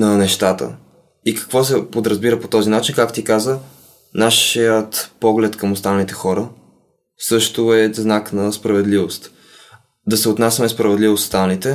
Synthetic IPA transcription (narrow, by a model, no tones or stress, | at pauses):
nɐnɛʃt̪at̪ə̰ | ikɐ̥kvɔs̬ɛpod̪ɾɐzbiɾəpot̪ɔzinat͡ʃinkakt̪ikazə | naʃiət̪pɔɡlɛt̪kəmost̪anlit̪ɛxɔɾə | sɤʃt̪ʊɛznaknɐspɾɐvɛd̪livost̪ | d̪ɐsɛot̪nasʲɐmɛspɾɐvɛd̪livost̪st̪annit̪ɛ